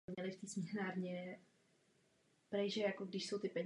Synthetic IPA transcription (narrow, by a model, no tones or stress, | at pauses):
mɲɛlɪft̪iːsmɪhnaːɾɲɛ | pɾɛʒɛjakoɡdɪʃso̞wt̪ɪpɛɲ